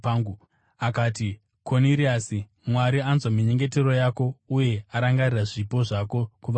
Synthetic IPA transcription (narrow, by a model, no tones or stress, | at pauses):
aːŋɡu | akaːti | kʰoniɾiasi | mwaɾianzwamiɲe̞ŋɡe̞te̞ɾo̞jako̞uje̞aɾaŋɡariraʐipo̞ʐako̞kuʋa